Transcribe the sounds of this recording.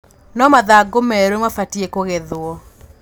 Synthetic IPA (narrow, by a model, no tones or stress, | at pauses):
nɔmaðaɡomɛɾemafatiekoɣeðwɔ